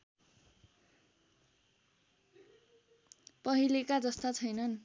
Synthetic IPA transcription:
pʌɦilekad͡zʌst̪at͡sʰʌjnʌn

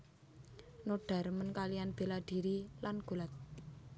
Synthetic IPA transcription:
noɖ̥a̤ɾmənkalijanb̥e̤laɖ̥i̤ɾilanɡ̥ṳlat̪̚

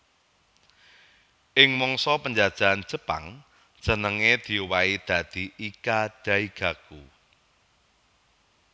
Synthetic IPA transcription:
ʔɪŋmɔŋsɔpəɲd͡ʒad̥ʒ̥a̤ʔan̥d͡ʒ̥ə̤pa̰ŋ̥ | d͡ʒ̥ə̤nəŋed̪̥i̤uwaid̪̥a̤d̪̥i̤ʔikaɖ̥ä̤iɡ̥a̤ku

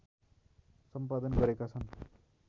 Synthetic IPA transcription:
sʌmpad̪ʌnɡʌɾekat͡sʰʌn

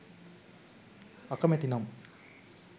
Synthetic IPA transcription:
ɐkɐmet̪inam

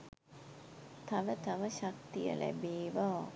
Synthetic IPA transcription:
t̪aʋət̪aʋəɕak̚t̪ijə̰lʔæ̰beːʋaː

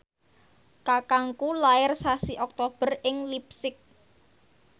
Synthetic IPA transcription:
kakaŋkulaɪrsasiʔɔk̚t̪ob̥ə̤rɪŋlip̚sɪk̚

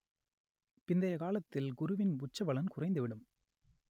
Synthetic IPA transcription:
pɪnd̪ɐjɐkaːlɐt̪ːɪlɡʊɾʊʋɪnbʊt͡ʃːɐʋɐɭɐnkʊrɐɪnd̪ɯʋɪɽɯm

